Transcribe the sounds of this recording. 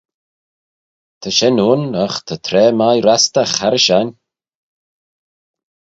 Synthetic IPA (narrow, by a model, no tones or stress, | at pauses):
t̪ʰəʃɛnuːnəxt̪ʰət̪ʰɾɛːmajɾast̪axaɾəʃan